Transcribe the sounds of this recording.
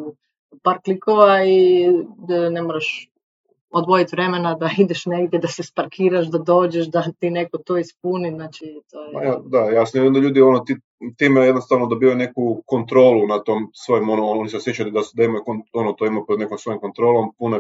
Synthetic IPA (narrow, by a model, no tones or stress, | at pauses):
paːɾklikoʋai | nemoɾaʃ | od̪ʋojit̪ʋɾe̞menad̪aid̪eʃneɡd̪jed̪asespaɾkʰiːɾaʃ̬d̪ad̪o̞ːd͡ʑeʃ̬d̪at̪iːnekot̪oːispuniznaːt͡ʃit̪oːjeajad̪ajaːsamid̪imd̪aʎuːd̪ionot̪i | t̪iːmejed̪nost̪aʋnod̪obiːʋajune̞kukont̪ɾoːlˠunat̪oːmsʋojimonoooniseosjet͡ɕalid̪asud̪aimajukononot̪oimajupod̪nekomsʋojimko̞nt̪ɾo̞ːlˠompuno